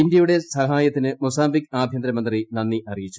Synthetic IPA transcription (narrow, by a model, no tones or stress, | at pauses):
indjɐjuɽe̞sɐɦaːjɐt̪ːinɨmusaːmbikaːbʱjɐnd̪ɾɐmɐnd̪rinɐnːiʔɐrijit͡ɕːu̥